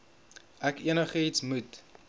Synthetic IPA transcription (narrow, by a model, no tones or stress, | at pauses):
ækiənəχəitsmut